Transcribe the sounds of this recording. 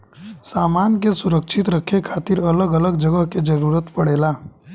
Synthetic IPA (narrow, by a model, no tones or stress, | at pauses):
saːmaːnkesʊɾəkʃʰɪt̪ɾəkʰːekʰaːt̪ɪɾɐləɡələɡ̚d͡ʒəɡəɦked͡ʒɐɾuːɾət̪pəɽeːlaː